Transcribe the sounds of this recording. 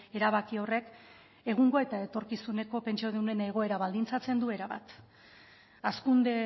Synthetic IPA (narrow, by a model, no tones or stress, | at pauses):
e̞ɾaβakio̞re̞k | e̞ɣ̞uŋɡo̞e̞t̪ae̞t̪o̞ɾkisune̞ko̞pe̞nt͡ʃioðune̞neɣ̞o̞e̞ɾaβald̪int͡sat͡se̞nd̪ue̞ɾaβa̰t̪ | askund̪e̞